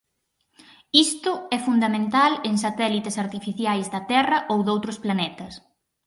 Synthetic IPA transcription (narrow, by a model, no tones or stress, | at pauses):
ist̪ʊɛfund̪amẽnt̪aleŋsat̪ɛlit̪ɪsaɾt̪ifiθjajzðɐt̪ɛrɐʔowðowt̪ɾʊsplanɛt̪ɐs